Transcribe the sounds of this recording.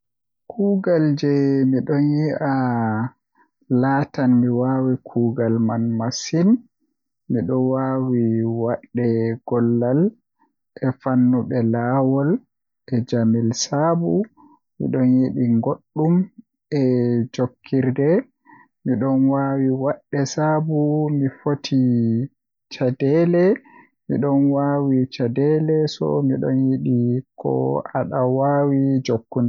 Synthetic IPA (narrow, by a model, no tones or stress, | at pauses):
kʰuːɡald͡ʒɛmiɗɔnjiʔa | laːtanmiwawikʰuːɡalmanmasin | miɗɔwawiwaɗːɛɡ̥ɔlːal | ʔɛfanːuɓɛlaːwɔl | ʔɛd͡ʒamilsabu | mḭɗɔnjiɗiŋɡoɗːum | ʔɛd͡ʒokʰːiɾdɛ | miɗɔnwawiwaɗːɛsabumifotʰi | t͡ʃadɛlɛ | mḭɗɔnwawit͡ʃadɛlɛsɔ̰miɗɔnjiɗikʰɔ̰a̰ɗawawid͡ʒokːund